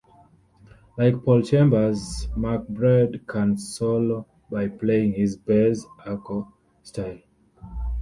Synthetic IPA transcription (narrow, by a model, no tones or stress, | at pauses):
laɪk̚pʰɔlˠt͡ʃẽmbə˞zmak̚bɹɛdkʰãnsɔlo | bajpleĩŋhizbɛsakɔ | stʰaɪl